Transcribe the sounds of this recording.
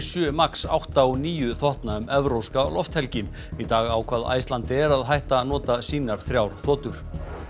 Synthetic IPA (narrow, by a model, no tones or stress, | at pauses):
sʏːmaksa̰wht̪aɔniːjʏθɔht̪naʏmɛvɾowska̰lɔft̪hɛlcɪm | it̪aːɣawkʰvaːða̰jst̪lant̪ɪɛɾaðɦajht̪anɔːt̪asiːnaɾ̥θɾjawɾ̥θɔːt̪ʏɾ̥